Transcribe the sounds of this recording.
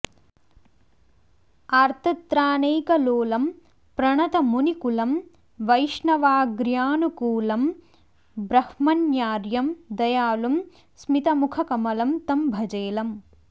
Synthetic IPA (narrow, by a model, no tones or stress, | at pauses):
ɐɾt̪ʰɐt̪ɾaːneːkɐloːlɐm | pɾɐɳɐt̪ɐmunikulɐm | ʋɐjʂɳɐʋaːɡɾjaːnukuːlɐm | bɾɐhmɐnjaːɾjɐmd̪ɐjaːlɐm | smit̪ɐmukʰɐkɐmɐlɐmt̪ɐmbʱɐd͡ʒeːlɐm